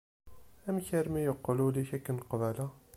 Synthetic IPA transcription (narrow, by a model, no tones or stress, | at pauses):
æmçæɾmæjəqːluliçækːnqvælæ